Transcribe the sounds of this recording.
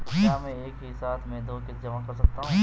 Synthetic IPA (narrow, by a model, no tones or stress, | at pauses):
jaːmɛ̃eːkɦisaːt̪ʰmẽːd̪oːkɪt̪d͡ʒɐmakɐɾs̬ɐk̚t̪aɦũ